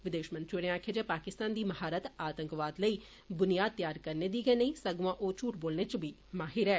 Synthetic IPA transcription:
ʋɪd̪eːʃmənt̪ɾiɽeãːkʰeːd͡ʒɛːpaːkɪst̪aːnd̪iːməɦaːɾət̪aːt̪ə̃ŋkʋaːd̪ləiː | bʊnijaːd̪̚t̪jaːɾkəɾneːd̪iːɡəenəĩːsəɡʋãːʔoːt͡ʃuːʈboːlneːt͡ʃbiː | maːɦɪɾɛː

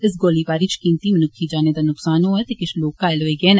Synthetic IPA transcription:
ɪs̬ɡoːliːpaːɾiːt͡ʃʰkiːnt̪iːmənʊkʰːiːd͡ʒaːneːd̪aːnʊksaːnoːɛːt̪eːkɪʃʰloːkːaːɪloːeːɡeːn

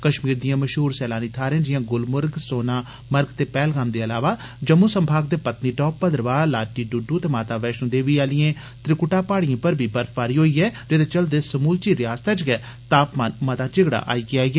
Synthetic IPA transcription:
kəʃmiːɾd̪ijãːməʃɦuːɾsɛːlaːniːt̪ʰaːɾẽːd͡ʒɪjãːɡʊlmʊɾɡsoːnaː | məɾɡt̪eːpɛːlɡaːmd̪eːəlaːʋaː | d͡ʒəmːũːsəmbʱaːɡ̚d̪eːpət̪niːʈɔːpːəd̪ɾəʋaːlaːʈiːɖʊɖuːt̪eːmaːt̪aːʋɛːʃnõːd̪eːʋiːaːlɪẽː | t̪ɾɪkʊʈaːpaːɽijãːpəɾbʱiːbəɾfʰpaːɾiːɦoːiːɛːd͡ʒet̪eːt͡ʃəld̪eːsəmuːlt͡ʃiːɾɪjaːst̪ɛt͡ʃɡɛː | t̪aːpmaːnmət̪aːt͡ʃɪɡɽa̰ːʔa̰ːiːɡɪaːɛː

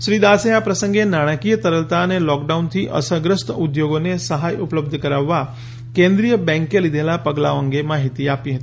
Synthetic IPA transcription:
ʃɾiːd̪aseapɾəsə̃ŋɡenaɽ̃əkijət̪əɾəlt̪anelɔk̚ɖaunt̪ʰiːʔə̰səɡɾəst̪əud̪joɡonesəɦajupləb̚d̪ʱəkəɾaʋːa | kẽnd̪ɾijəbɛ̃ŋkelid̪ʱelapəɡla̰ʋəŋɡemaːɦit̪iapiɦət̪i

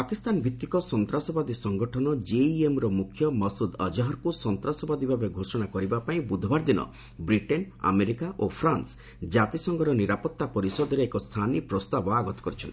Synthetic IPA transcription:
pakist̪anbʱit̪ːikɔsɔnt̪ɾasɔbad̪isɔŋɡɔʈʰɔnɔd͡ʒeiemɾɔmukʰjɔmɔsud̪ɔd͡ʒɔɦɔɾkusɔnt̪ɾasɔbad̪ibʱabeɡʱosɔɽ̃akɔɾibapaĩbud̪ʱbaɾd̪inɔ̰ | bɾiʈena̰meɾikaʔopʰɾans | d͡ʒat̪isɔŋɡɔɾɔniɾapɔt̪ːapɔɾisɔd̪ɔɾeːkɔst̪ʰanipɾɔst̪abɔaɡɔt̪ɔ̥kɔɾit͡ʃʰɔnt̪i̥

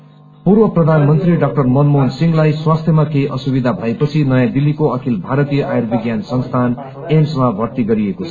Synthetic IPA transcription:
purwʌprʌd̪ʱanmʌnt̪riɖak̚ʈʌrmʌnmonsiŋɡlajswast̪ʰjʌmakejʔʌsubid̪ʱabʱʌepʌt͡sʰinʌjãd̪ilːikoʌkʰilbʱaɾʌt̪ijʌʔajerbʱiɡjansʌnst̪ʰan | emsmabʱʌrt̪iɡʌɾiekot͡sʰʌ

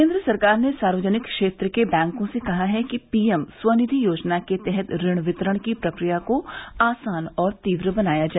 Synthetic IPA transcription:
kẽːnd̪ɾəsɐɾkaːɾnesaːɾʋəd͡ʒənɪkkʃeːt̪ɾəkebɛ̃ːŋkõsekɐɦaɦɛkipiːɛmswɐnɪd̪ʱijoːd͡ʒnaket̪ɛɦɛt̪ɾɪɽ̃ʋɪt̪ɾəɽ̃kipɾɐkɾijakoaːsaːnɔːɾt̪iːʋɾəbɐnaːjad͡ʒaːɛ

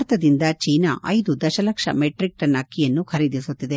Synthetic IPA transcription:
ɾt̪ɐd̪ind̪ɐt͡ʃiːnɐ̰ʔʔɐ̰jd̪ud̪ɐʃɐlɐkʂɐ̰meʈɾik̚ʈɐnɐkːijɐnːukʰɐɾid̪isut̪ːid̪e

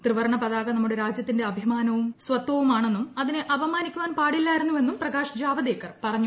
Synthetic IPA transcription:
t̪rɨʋɐrɐɳɐpɐðaːɣɐnɐmːuɽe̞ɾaːd͡ʑjɐt̪ːinde̞ɐbʱimaːnɐʋummsʋɐt̪wɐʋumaːɳe̞nːumɐðineʔɐʋɐmaːnikʲːuʋaːnpaːɽilːaːjiɾunːuʋe̞nːumprɐɡaːʂɐd͡ʑaːbɐðeːkːɐrpɐrɐɲːu

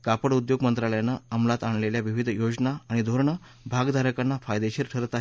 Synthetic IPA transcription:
kapəɽud̪joɡmənt̪ɾaləjanːaəmlat̪aɳ̃leljaʋiʋid̪ʱjod͡ʑnaːɽ̃id̪ʱoɾɳə | bʱaɡd̪ʱaɾəkanːafajd̪eɕiɾʈʰəɾət̪aɦe

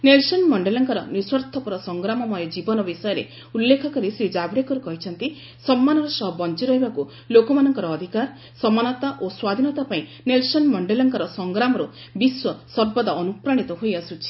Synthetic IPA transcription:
nelsɔnmɔɳɖelɔŋkaɾɔniswɔɾt̪ʰɔpɔɾɔsɔŋɡɾamɔmɔjɔd͡ʒibɔnɔbisɔjɔɾe | ulːekʰɔkɔɾisɾid͡ʒabɾekɔɾukɔɦit͡ʃʰɔnt̪i | sɔmːanɔɾɔsɔɦɔbɔnt͡ʃiɾɔɦibaku | lokɔmanɔŋkɔɾɔːd̪ʱikaɾ | sɔmanɔt̪aʔoswad̪ʱinɔt̪apaĩ | nelsɔnmɔɳɖelɔŋkɔɾɔsɔŋɡɾamɔɾu | biswɔsɔɾbɔd̪aɔnupɾaɽ̃it̪ɔɦojasut͡ʃʰi̥

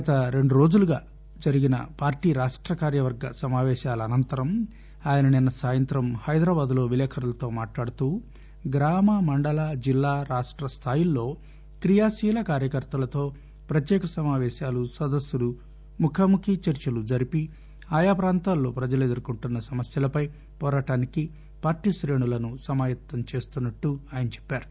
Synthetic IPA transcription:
ɐt̪ɐɾe̞ɳɖuɾo̞ːd͡ʒuluɡaː | d͡ʒɐɾiɡinɐ̰paːɾʈiːɾaːʂʈɾɐkaːɾjɐʋɐɾɡɐ̰sɐmaːʋɛːʃaːlɐːnɐnt̪ɐɾɐm | aːjɐnɐninːɐsaːjɐnt̪ɾɐmhɐjd̪ɾaːbaːd̪lo̞ːʋilɛːkʰɐɾɐlɐt̪o̞ːmaːʈlaːɽut̪uː | ɡɾaːmɐmɐɳɖɐlaːd͡ʒilːaːɾaːʂʈɾɐst̪ʰaːjilːo̞ː | kɾijaːsiːlɐkaːɾjɐkɐɾt̪ɐlɐt̪o̞ː | pɾɐt̪jɛːkɐsɐmaːʋɛːʃaːlusɐd̪ɐsjulu | mukʰɐmukʰit͡ʃɐɾt͡ʃɐlud͡ʒɐɾipi | aːjaːpɾaːnt̪aːlːoːpɾɐd͡ʒɐled̪uɾukuɳʈunːɐsɐmɐsjɐlɐpɐj | pɔːɾaːʈaːniki | paːɾʈisɾe̞ːɳulɐnusɐmaːjɐt̪ːɐmt͡ʃe̞ːst̪unːɐʈːuaːjɐnɐt͡ʃɛ̥pːaːɾu̥

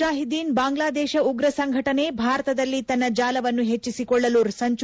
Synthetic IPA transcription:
aːɦid̪iːnbaːŋɡlaːd̪ɛːʃɐuɡɾɐsɐŋɡʱɐʈɐne̞bʱaːɾɐt̪ɐd̪ɐlːit̪ɐnːɐd͡ʒaːlɐʋɐnːuɦet͡ʃːisikɔɭːɐluːɾsɐɲt͡ʃ

